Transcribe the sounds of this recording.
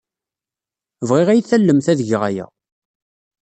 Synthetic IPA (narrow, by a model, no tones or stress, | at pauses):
vʁiʁæjθælːəmθæðəʝʁæjæ̰